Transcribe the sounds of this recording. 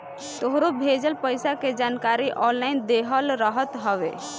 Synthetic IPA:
t̪oɦɾobʱed͡ʒəlpəjsaked͡ʒankaɾiʔɔnlaind̪eɦəlɾəɦət̪ɦəʋḛ

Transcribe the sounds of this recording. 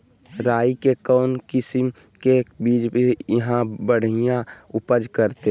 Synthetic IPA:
ɾaːikekɔʊnkɪsim | kebiːd͡ʒbijəɦãbəɽ̤ijãupəd͡ʒkəɾt̪e

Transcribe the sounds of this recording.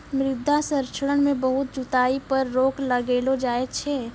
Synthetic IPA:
mɾɪd̪ʱːasəɾt͡ʃʰəɽəɽ̃mẽbəɦʊt̪̚d͡ʒʊt̪aːipəɾːoːkʰləɡeːlod͡ʒaːet͡ʃʰɛː

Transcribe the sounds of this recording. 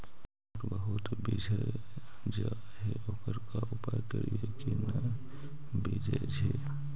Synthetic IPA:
ʈbəɦʊt̪bid͡ʒʱə | d͡ʒa | ɦɛʔokəɾkaʊpajkə̰ɾijekinə | bid͡ʒəd͡ʒʱɛ

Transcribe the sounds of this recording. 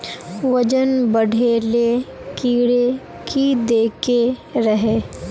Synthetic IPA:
ʋəd͡ʒənbɐɽʱeːle | kiːɽe | kʰid̪eːkeɾɐɦeː

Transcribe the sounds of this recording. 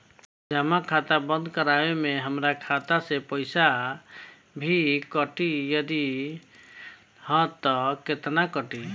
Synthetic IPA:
d͡ʒəmakʰat̪abə̃nd̪kəɾaemẽɦəmɾakʰat̪asepəɪsa | bʱikəʈijəd̪i | hɔt̪ɔket̪nakəʈi

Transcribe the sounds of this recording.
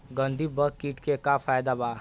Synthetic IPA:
ɡə̃nd̪ʱibɐkːiːʈkekafʰaːjd̪aba

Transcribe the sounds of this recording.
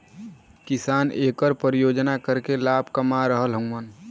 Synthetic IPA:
kɪsaːneːkəɾpəɾijoːd͡ʒnakəɾkelaːbʱkəmaɾəɦəlɦə̃ŋən

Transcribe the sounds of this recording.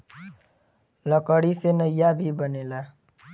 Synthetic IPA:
lʌkʌɽisenʌjabʱibʌnela

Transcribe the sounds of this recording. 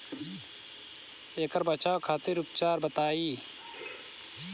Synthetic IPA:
eːkəɾbət͡ʃaːokʰaːt̪ɪɾʊp̚t͡ʃaːɾbət̪aːiː

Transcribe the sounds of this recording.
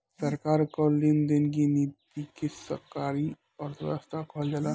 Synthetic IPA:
səɾkaɾkɔlːind̪enɡinit̪ikesə̰kaɾi | ɔɾt̪ʰəɾa̰st̪akʰɔld͡ʒala

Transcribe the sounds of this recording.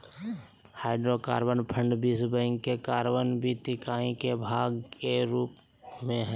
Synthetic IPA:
haːɪɖɾoka̰ːɾbənpʰə̃ɳɖbisbəŋkkːekaːɾbənbʱit̪ɪkaːĩkebʱaːɡkeɾuːp | mẽɦɛ

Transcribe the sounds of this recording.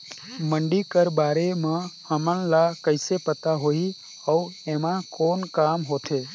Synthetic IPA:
məɳɖikəɾbaːɾemãhəmənlakəɪsepət̪aɦoi | əuemãkoːnkaːmɦot̪ʰe

